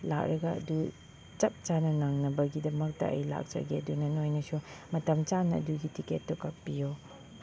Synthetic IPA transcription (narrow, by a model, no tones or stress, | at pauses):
la̰k̚ɾɐɡɐɐ̰du | t͡ʃɐp̚t͡ʃanɐnaŋnɐbɐɡidɐmɐk̚tɐ̰ʔɐ̰jla̰k̚t͡ʃɐ̰ɡeɐdunɐnojnɐsumɐtɐmt͡ʃanɐɐ̰duɡitiketːokɐk̚pijo